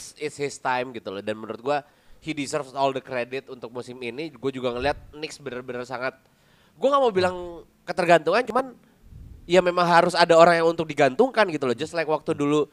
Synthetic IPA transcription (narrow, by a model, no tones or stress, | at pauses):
sɪtshɪst̪ajmɡit̪ulɔdanmənuɾʊt̪̚ɡua | hidisərfɔldəkɾedɪt̪unt̪ʊk̚musɪminiɡuad͡ʒuɡaŋəliɦat̪̚nɪksbəɾarbəɾarsaŋat̪̚ | ɡuaŋaʔmowbilaŋ | kət̪ərɡant̪uŋant͡ʃuman | jamemaŋɦaɾʊsadaoɾaŋjaŋunt̪ʊk̚diɡant̪uŋkanɡit̪ulɔd͡ʒʊslajkwak̚t̪udulu